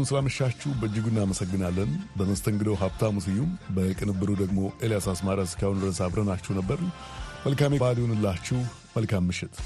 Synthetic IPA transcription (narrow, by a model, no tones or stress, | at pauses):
unsɨlaməʃːat͡ʃːuhbəɨd͡ʒːɨɡunːaməsəɡːɨnalːənbəməst̪ʰəŋɡɨd̪əwɦaft̪ʰamusɨjːumbəkʼɨnɨbːɨɾud̪əɡmo̞ʔe̞ljasasmaɾəskʰahunəɾəsaβɾənat͡ʃːɛhnəbːəɾnməlkamebaliwunɨlːat͡ʃːɪh | məlkʰamːɨʃɪt̪